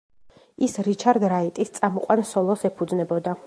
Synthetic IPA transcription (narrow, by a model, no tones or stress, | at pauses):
isɾit͡ʃʰaɾd̪ɾait̪ʼist̪sʼamɔqʼwansɔlˠɔsɛpʰud̪znɛbɔd̪a